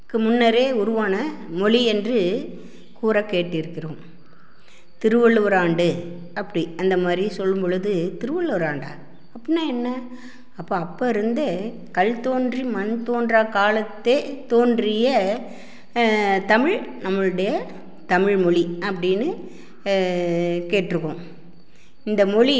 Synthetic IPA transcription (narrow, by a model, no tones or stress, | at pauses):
kːɯmʊnːɐɾeːʊɾʊʋaːnɐ | mɔɭiɛndrɯ | kuːɾɐkeːʈːɪɪɾɯkːɪɾõː | t̪ɪɾɯʋɐɭːʋɐɾaːɳɖɯ | ɐpːɐɽiɐnd̪ɐmaːd̪ɾisɔlːɯmbɔɻɯðɯt̪ɪɾɯʋɐɭʋɐɾaːɳɖa̰ː | ɐpːɐɪnːaɛnːɐ | ɐpːoːɐpːɐːɪɾɯnd̪ɐ | kɐɭt̪oːndrimɐnt̪oːndrakaːlɐt̪ːet̪oːndrɪjɐ | t̪ɐmɪɻnɐmːɯɭɯɽɐjɐ | t̪ɐmɪɻmɔɭiɐpːɐɽɪnːɯ | keːʈːɪɾɯkːʊ̃ | ɪnd̪ɐmɔɭi